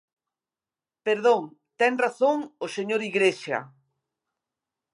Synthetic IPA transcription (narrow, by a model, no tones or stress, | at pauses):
peɾðoŋt̪ɛŋraθoŋoseɲoɾiɣɾeʃɐ̰